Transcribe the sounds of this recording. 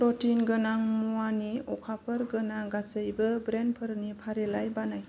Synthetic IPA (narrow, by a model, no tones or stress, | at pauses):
pɾɔtinɡɯnaŋmuwaniɔkʰapʰəɾɡənaɡasəjbɯbɾenpʰəɾnipʰaɾelajbanaj